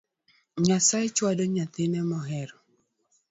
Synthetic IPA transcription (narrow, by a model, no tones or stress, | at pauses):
ɲasaet͡ʃwadɔɲat̪ɪnɛmɔɦɛɾɔ